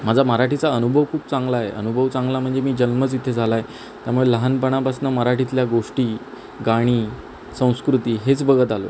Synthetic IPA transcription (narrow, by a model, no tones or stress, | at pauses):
mad͡zʱaməɾaʈʰit͡saənubʱəʋkʰuːp̚t͡sãŋɡlajḛʔə̰nubʱəʋt͡sãŋɡlam̤əɳd͡zemiːd͡ʑənmət͡sit̪ʰed͡zʱalaje | t̪jamuɭeləɦanpəɽ̃abasnaməɾaʈʰit̪ljaɡoʂʈiː | ɡaɽ̃iː | sə̃w̃skɾut̪iːɦet͡sbəɡət̪alo̰